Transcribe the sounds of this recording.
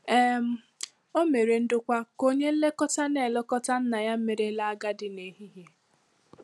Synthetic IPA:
e˦m̩˦ | o˦me˨ɾe˨n̩˦dʊ˦kʷa˦ko˦ɲe˦n̩˦le˦kɔ˦ta˦ne˨lɔ˦kɔ˦ta˦n̩˦na˨ja˦m̩˦me˨ɾe˦la˦a˦ɡa˦dɪ˨ne˨˦ɦi˦ɦje˨

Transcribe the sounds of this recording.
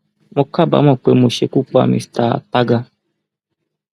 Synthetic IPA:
mo˧ka˦˨ba̰˨˦mɔ̃˦˨k͡pe˨˦mo˧ʃe˨˧˨ku˦k͡pa̰˨mḭ̃˧˨sta̰˦˨ta˦ɡa˧

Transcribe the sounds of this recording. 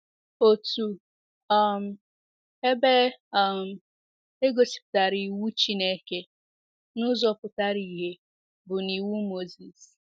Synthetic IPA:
o˨tu˨ | ɔ˦m̩˨ | e˦be˦m̩˨ | e˦ɡo˨si̥˨pta˨ɾi˨wu˦t͡ʃi˦ne˦ke˦ | nʊ˦zɔ˦pʊ˨ta˦ɾi˨ɦe˦ | bʊ˨ni˨wu˦mo˦zi˨s

